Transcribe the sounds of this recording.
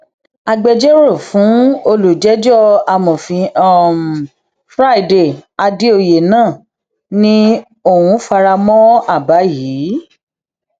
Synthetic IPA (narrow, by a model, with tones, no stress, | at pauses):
a˧ɡ͡bɛ˧d͡ʒɛ˦ɾo˦˨fũ˨˦o˧lu˨d͡ʒɛ˨˦d͡ʒɔ˦a˧mɔ̃˨fĩ˧ɔ˦˨m˨ | fɾa˦i˨de˨a˧di˦o˧je˨nãː˦˨ | nĩ˦ | o˦˨wũ˨˧˦fa˧ɾa˧mɔ̃˦a˦˨ba˨˦jiː˨˦